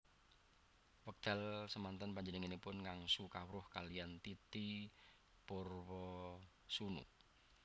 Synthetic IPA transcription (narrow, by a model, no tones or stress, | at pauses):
wək̚d̪̥ɛlsəmant̪ənpaɲd͡ʒənəŋinipʊnŋaŋsukawɾʊhkaliant̪it̪i | pʊrwɔ | sunṵ